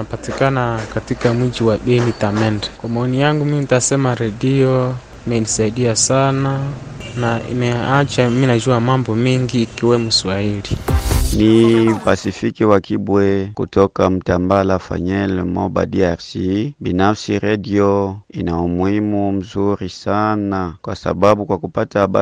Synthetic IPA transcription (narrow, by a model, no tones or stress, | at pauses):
apatikanakatikamud͡ʒiwaɓɛnitamɛndɛkwamaɔnijaŋɡumiminitasɛmaɾɛdiɔ | mɛnisaiɗiasana | naḭmɛat͡ʃaminad͡ʒuamambɔmiŋɡiːkiwɛmuswahilinipasifikiwakibwɛkutɔkam̩tambalafa̰ɲɛlmɔba̰diaɾsibinafsiɾadiɔinaumwimum̩zuɾisanakwasa̰ɓabukwakupataɓa